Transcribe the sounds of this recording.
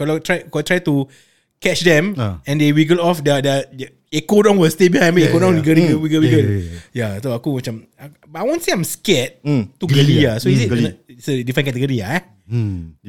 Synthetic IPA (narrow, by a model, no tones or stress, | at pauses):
kɔlɔtɹajkɔt̪ɹajtu | kɛt͡ʃdɛ̃mɛ̃ndewiɡəlɔfdədəd | ekodɔ̃ŋwəstebiãbeekodɔ̃ŋiɡəlĩɡəwiɡəwiɡəjasoakuwət͡ʃãm | a | batajwõnseãmskɛt̚tːuɡəlijasoisisədifɹə̃nkɛtəɡoɾijaa